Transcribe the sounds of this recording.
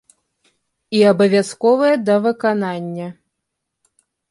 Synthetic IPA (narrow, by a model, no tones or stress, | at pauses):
iɐbɐvʲaskɔvɨjɛd̪ɐvɨkananʲːɐ